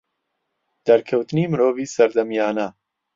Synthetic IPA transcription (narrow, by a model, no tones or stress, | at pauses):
d̪̥ɐɾkʰɐwt̪ɨniːmɨɾoːviːsɐɾd̪ɐmjaːnɐ